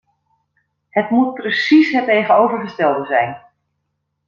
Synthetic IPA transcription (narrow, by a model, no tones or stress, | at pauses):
hətmut̚prəsisɦɛtejχənowvərχəstɛlˠdəzɛjn